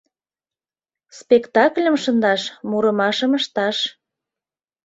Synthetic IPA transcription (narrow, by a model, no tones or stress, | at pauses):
spekt̪ɑklʲəmʃənd̪ɑʃmuɾəmɑʃəməʃt̪ɑʃ